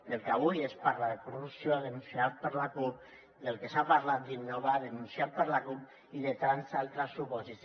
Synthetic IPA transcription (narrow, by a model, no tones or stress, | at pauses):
d̪elkaβujespaɾlaðekɾoðusjoðenunsiat̪̚pəɾlakup̚ | d̪elkesapaɾlat̪̚d̪inːoβaðenunsjat̪̚pəɾlakup | iðet̪ansalt̪ɾasːupɔsis